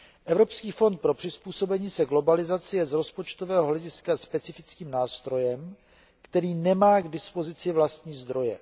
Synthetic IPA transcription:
ʔɛvɾo̞pskiːfo̞nt̪̚pɾo̞pr̥ɪspuːso̞bɛɲiːsɛɡlo̞balɪzat͡sɪjɛzɾo̞spot͡ʃt̪o̞vɛːɦoɦlɛɟɪskaspɛt͡sɪfɪt͡skiːmnaːst̪ɾo̞jɛm | kt̪ɛɾiːnɛmaːɡdɪspo̞zɪt͡sɪvlast̪ɲiːzd̪ɾo̞jɛ

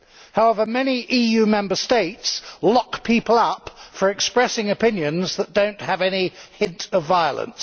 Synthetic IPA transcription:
haʊɛvə˞mɛniʔijʉmɛ̃mbəsteɪtslɑkpʰipəl̩ˠʌpfə˞ɨkspɹɛsɪ̃ŋɨpɪ̃njɨ̃nzðət̚d̥õʊ̃nʔhəvɛnihɪ̃ntʰəvaɪə̰lˠə̰̃ns

